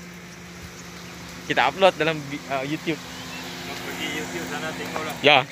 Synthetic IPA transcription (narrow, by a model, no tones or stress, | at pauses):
kit̪aʔap̚lwat̪̚dalambiəjut̪jup̚apəɡijut̪jup̚sanat̪ɛŋɔlaʔja